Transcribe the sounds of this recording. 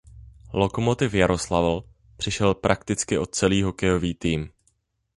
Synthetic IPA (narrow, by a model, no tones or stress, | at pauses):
lo̞ko̞mo̞t̪ɪfjaɾo̞slavl̩ | pr̥ɪʃɛlpɾʔakt̪ɪt͡skɪʔo̞t̪̚t͡sɛliːɦo̞kɛjo̞viːt̪iːm